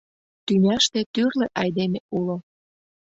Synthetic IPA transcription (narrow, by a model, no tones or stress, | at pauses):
t̪ynʲæʃt̪ĕt̪yrleʔɑjd̪emeulo